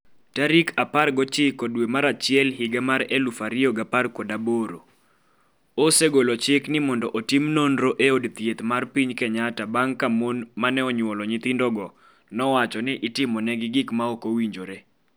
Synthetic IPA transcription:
taɾikʰaparɡɔt͡ʃɪkɔdwemaɾat͡ʃɪjɛlɦɪɡamaɾelufaɾɪɔɡaparkodaboɾo | oseɡolot͡ʃɪknɪmɔndɔʔotimnondɾoʔeodt̪jet̪marpiɲkɛɲatabaŋkamonmanɛɔɲwɔlɔɲɪt̪ɪndɔɡɔ | nɔwat͡ʃɔnɪʔɪtɪmɔnɛɡɪɡɪkmaokowiɲd͡ʒoɾe

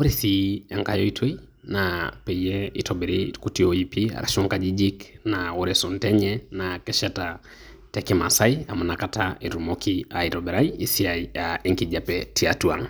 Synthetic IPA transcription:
oɾiθiaŋkajɔitʰwei | napɛijɛitɔbɛɾekutiɔipia̰ɾa̰ʃɔŋkad͡ʒid͡ʒiknaoɾɛsɔntɛɲɛnakɛʃata | tɛkɛmasaiamanakataiɾumɔkʰiaiɾɔbɛɾaiːsiaiaɛŋkid͡ʒapɛtiatua̰ŋ

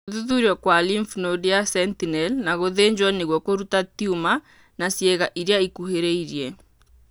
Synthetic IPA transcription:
oðuðuɾjɔkwaliɱfnodeasɛntinɛlnaɣoðeɲd͡ʒwaneɣwɔkoɾutatiuma | nasjɛɣaʔiɾejaikuheɾeiɾiɛ

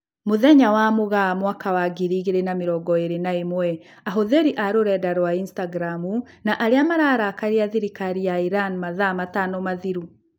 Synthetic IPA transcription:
moðɛɲawamoɣamwakawaɡiɾiɣeɾenameɾɔɡɔeɾenaemwɛ | aɦoðeɾiʔaɾoɾɛdaɾwainstaɡɾamu | naʔaɾeamaɾaɾaːkaɾiaðiɾikaɾijaiɾanmaðamatanɔmaðiɾu

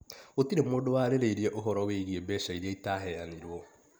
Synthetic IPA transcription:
otiɾemoːdowaɾeɾeiɾieʔoɦɔɾɔweiɣiebɛʃaiɾaitaːɦɛaneɾwɔ

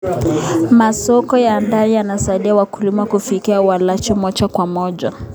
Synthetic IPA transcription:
masɔkɔjandaɾijanasaiɗiawakulimakufikiawalat͡ʃimɔt͡ʃakwamɔʄa

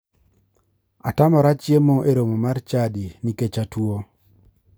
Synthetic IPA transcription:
a̰tamɔɾat͡ʃjemoʔeɾomomart͡ʃadiniket͡ʃatwo

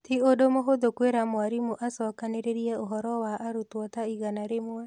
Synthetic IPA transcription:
t̪iodomoɦoðokweɾamwaɾimoʔasɔkaneɾeɾiɛoɦɔɾɔwaʔːɾutwɔtaiɣanaɾemwa

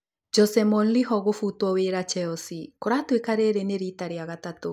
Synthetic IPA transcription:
d͡ʒɔsɛmɔnliɦɔɣofutwɔweɾat͡ʃɛɔsikoɾatwekaɾeɾeneɾitaɾiaɣatato

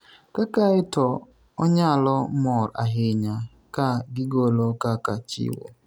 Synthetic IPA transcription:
kakaɪtɔ | oɲealɔmɔɾa̰ɦɪɲa | kaɡɪɡolokakat͡ʃḭwo̰

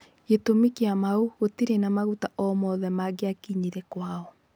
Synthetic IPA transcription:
ɣetomikeamauɣotiɾenamaɣutaʔɔmɔðɛmaɡeakiɲiɾɛkwaɔ

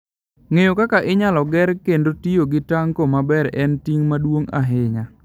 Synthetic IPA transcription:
ŋejokakaʔɪɲalɔɡɛɾkendotijoɡɪtaŋkomabɛɾɛntiŋmadwoŋa̰ɦɪŋa

